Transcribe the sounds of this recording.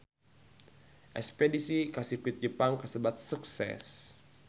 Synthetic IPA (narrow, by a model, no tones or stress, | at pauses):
ʔɛ̰spedisikasikwit̪̚d͡ʒəpaŋkəsəbat̪̚suksɛ̰s